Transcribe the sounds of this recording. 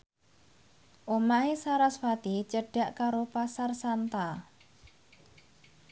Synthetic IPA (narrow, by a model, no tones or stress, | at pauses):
ʔomaesaɾasfat̪it͡ʃəɖ̥a̤ʔkaɾopasarsant̪a